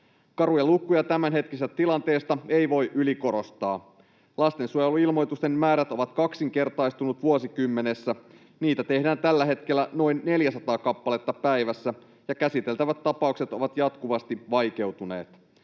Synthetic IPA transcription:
kɑɾujɑlukːujɑt̪æmænɦe̞t̪kiset̪ːæt̪ilɑnt̪e̞ːst̪ɑe̞jʋo̞jʔyliko̞ɾost̪ɑː | lɑst̪e̞nsuojeluilmo̞jt̪ust̪e̞mmæːɾæt̪o̞ʋɑt̪kɑksiŋk̟e̞rt̪ɑjst̪unut̪ʋuosikymːe̞ne̞sːæ | niːt̪æt̪e̞hdæːnt̪ælːæɦe̞t̪k̟elːæno̞jnːe̞ljæsɑt̪ɑːkɑpːɑle̞t̪ːɑpæjʋæsːæ | jɑkæsit̪e̞lt̪æʋæt̪ːɑpɑukse̞t̪o̞ʋɑt̪jɑt̪kuʋɑst̪iʋɑjk̟e̞wt̪une̞̰ːt̪

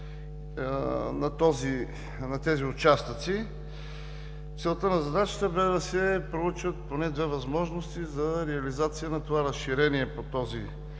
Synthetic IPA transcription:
nɐt̪ɔzi | nɐt̪ɛziʊt͡ʃast̪ət̪si | t̪sɛlˠt̪ənɐzɐd̪at͡ʃə̥t̪əbɛd̪ɐsɛpɾout͡ʃvət̪̚ponɛd̪vɛvɐzmɔʒnost̪izɐɾɛɐlizat̪sijənɐt̪ovaɾɐsʃiɾɛniɛpot̪ɔzi

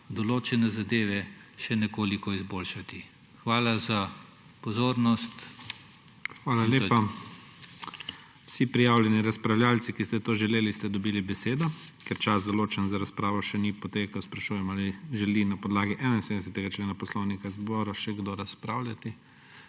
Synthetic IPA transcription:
d̪ɔloːt͡ʃɛnɛzad̪eːʋɛʃɛnɛkoːlikɔizboːlʃat̪i | xʋaːlaza | pɔzoːɾnɔst̪ | xʋaːlaleːpa | wsipɾijaːwlʲjɛniɾaspɾawljaːlt̪sikist̪ɛt̪oːʒɛleːlist̪ɛd̪ɔbiːlibɛseːd̪ɔkɛɾt͡ʃazd̪ɔloːt͡ʃɛnzaɾaspɾaːʋɔʃɛnipɔt̪eːkɐwspɾaʃuːjɛmaliʒɛlinapɔd̪laːɡiʔɛːnainsed̪ɛs̬ɛt̪ɛɡat͡ʃleːnapɔslownikazbɔːɾaʃɛɡd̪oɾaspɾawlʲjat̪i

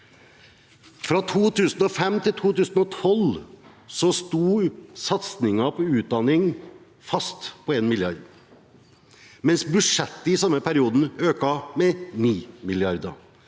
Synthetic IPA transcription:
fɾɑt̪ʰuːt̪ʰʉːsn̩ɔfɛmt̪ʰɪlt̪ʰuːt̪ʉːsn̩ɔt̪ʰɔlsɔst̪uːsɑt̪snɪŋɑpʰɔʉːt̪̚d̪ɑnɪŋ | fɑst̪pʰɔeːnmɪljɑɾd̪ | mɛnsbʉʂɛt̪ːəɪsɑmːəpʰæɾɪuːd̪n̩øːkɑmɛniːmɪlɪɑɾd̪ə̰

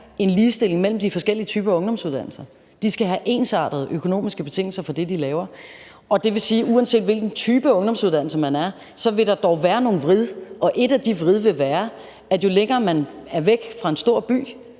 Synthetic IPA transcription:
e̝nliːsd̥e̝l̰e̝ŋmel̰m̩d̥ifɒ̽sɡ̥el̰iət͡sʰyːb̥ɐɔ̽ŋd̥ɒ̽msuðˠd̥æn̰l̩sɐ | d̥isɡ̥æɦæʔe̝̰ːnsɑ̰̈ːd̥ð̞ˠʔøkʰo̝no̝̰ːmisɡ̥əb̥e̝t͡sʰe̝ŋ̰l̩sɐfɒ̽d̥e̝d̥ilɛːʊɐ | ʔɒ̽d̥e̝ʋe̝siːʔuænse̝̰ːd̥ʋelɡ̥n̩t͡sʰyːb̥əɔ̽ŋd̥ɒ̽msuð̞ˠdæn̰l̩sɐmænæɐ | sɒ̽ʋe̝ɾ̥ɑ̈d̥ɒʊʋæːɐno̝ːn̩ʋʁið̞ˠʔɒ̽ʔe̝ɾ̥æd̥iʋʁiðˠʋe̝ʋæːɐ | æjo̝leŋɐːmænæɐʋeɡ̥fʁɑ̈e̝nsd̥o̝ɐ̰b̥y̰ː

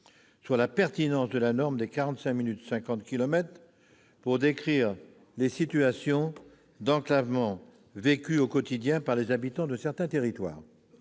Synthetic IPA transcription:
syʁlapɛʁt̪inɑ̃sd̪əlanɔʁmd̪ekaʁɑ̃t̪sɛ̃minyt̪sɛ̃kɑ̃t̪kʲilɔmɛt̪χ | puʁd̪ekχiːʁ | lesit̪yasjɔ̃ | d̪ɑ̃klavmɑ̃ | vekʲyokɔt̪id̪jɛ̃paʁlezabit̪ɑ̃d̪əsɛʁt̪ɛ̃t̪eʁit̪wa̰ːʁ

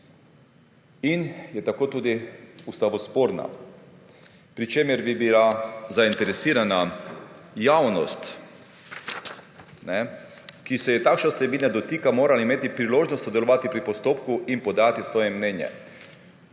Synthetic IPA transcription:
injɛt̪akoːt̪uːd̪iust̪aʋɔspoːɾna̰ | pɾit͡ʃemɛɾbibilazaint̪ɛɾɛsiːɾana | jawnɔ̰st̪ | nɛ | kisɛjɛt̪aːkʃnasɛbiːnad̪ɔt̪iːkamoːɾalaimeːt̪ipɾiloːʒnɔst̪sɔd̪ɛlɔʋaːt̪ipɾipɔst̪oːpkuʔinpɔd̪at̪isʋɔːjɛmnɛːnjɛ̰

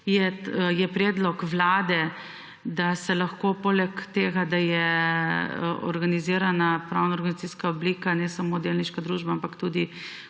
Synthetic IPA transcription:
jɛjɛpɾɛːd̪lɔkʋlaːd̪ɛ | d̪asɛlaxkopoːlɛkt̪eːɡad̪ajɛ | ɔ̰ɾɡaniziːɾanapɾawnaɔɾɡanizatt͡s̪iːskaɔbliːkanɛsamoːd̪eːlniʃkad̪ɾuːʒbaampakt̪uːd̪i

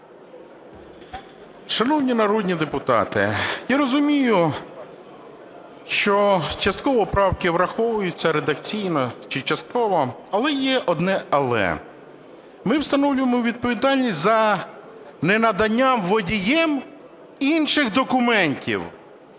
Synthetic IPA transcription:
ʃɐnɔwnʲinɐɾɔd̪ʲnʲid̪epʊt̪ɑ̰t̪ɪ̰jaɾɔzʊmʲijʊ | ʃt͡ʃɔt͡ʃɐst̪̚kɔʋɔpɾɑwkɪʋɾɐxɔʋʊjʊt͡sʲːɐɾed̪ɐkt͡sʲijnɔt͡ʃɪt͡ʃɐst̪̚kɔʋɔɐlˠɛjɛʔɔd̪nɛɐlˠɛ̰ | mɪwst̪ɐnɔwlʲʊjemʊwʋʲid̪̚pɔʋʲid̪ɑlʲnʲisʲzɐ | nenɐd̪ɐnʲːamʋɔdʲijɛm | inʃɪxd̪ɔkʊmɛnʲtʲḭw

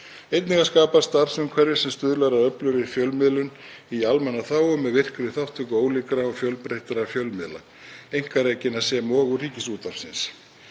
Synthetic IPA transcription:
ejt̪niŋkaskaːpast̪ar̥sʏmkʰvɛɾðɪsɛmst̪ʏðlaɾaðœplʏɾɪfjœlmɪðlʏn | ialmɛnːaθawʏmːɛðvɪr̥kɾɪɪθawht̪ʏkoːwlɪkɾaɔfjœlpɾejht̪aɾafjœlmɪðla̰ | ejŋ̥kaɾeːjcɪnḁsjɛmɔːɣʏriːcɪsuːt̪ḁsɪns

